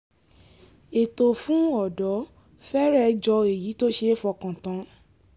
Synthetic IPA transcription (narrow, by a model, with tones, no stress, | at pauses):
e˨to˨fũ˦ɔ˦˨dɔ˨˦ | fɛ˦ɾɛ˧d͡ʒɔ˧e˨ji˨˦to˦ʃe˧˦fɔ˧kã˨tã˨˧˦